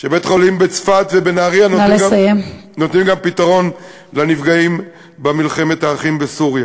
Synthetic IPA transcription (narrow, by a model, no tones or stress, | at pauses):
ʃebet̪χo̞limbet͡sfat̪vebenaːʁianoleajemno̞t̪nimɡampit̪aʁo̞n | lanifɡaim | bamilχe̞met̪aːχimbesuʁja